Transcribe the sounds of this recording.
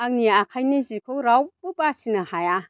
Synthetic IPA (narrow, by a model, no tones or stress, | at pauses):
aŋ̚niakʰajnizikʰowɾawbɯbasinɐhaja